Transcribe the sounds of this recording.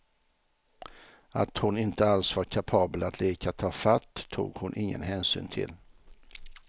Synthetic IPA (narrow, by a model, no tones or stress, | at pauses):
at̪hʊnɪnt̪əalsvaɾkʰapʰɑːbəlat̪ʰleːkʰat̪ʰɑːfat̪ːʰṵːɡhʊnʔɪŋːə̰nɦɛːnsy̰ːnt̪ʰɪ̰l